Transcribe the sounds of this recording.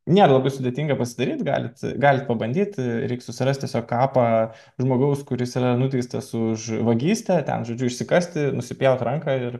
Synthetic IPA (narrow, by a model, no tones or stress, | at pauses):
nʲeːɾɐlˠɐbɐɪsʊd̪ʲet̪ʲiːŋɡɐpɐsʲɪd̪ɐɾʲiːt̪ɡɑ̰ːlʲɪt̪ɡɑːlʲɪt̪̚pɐbɐnʲd̪ʲiːt̪ʲɾʲɛɪksʊsʲɪɾɐst̪ʲiɛsʲoːkkɑːpɑ | ʒmoːɡɐʊskʊɾʲɪsiɾɐnʊt̪ʲɛɪst̪ɐsʊʃʋɐɡʲiːsʲt̪ʲɛt̪ʲɛ̰nʒoːd͡ʒʲʊɪʃʲsʲɪkɐsʲt̪ʲɪnʊsʲɪpʲjɛʊt̪ɾɐŋkɑːɪɾ